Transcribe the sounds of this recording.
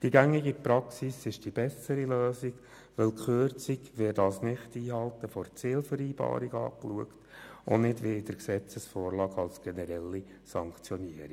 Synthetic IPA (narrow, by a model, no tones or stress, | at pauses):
d̥iɡæŋːiɡipɾɑksisɪʃd̥ib̥ɛsəɾiløːsiɡ | ʋɪlkχøːɾt͡siɡʋɪdɑːsnɪχtiːɦɑlˠt̪əfɔrt͡siːlfəɾiːb̥ɑ̰ːɾiɡɑ̰ːkluəktʊ̰nɪdʋɪɪd̥əɾksɛt͡səsfɔːɾlɑːɡɑlsɡ̥ɛnɛɾɛlːi | sɑŋkt͡sjɔniəɾi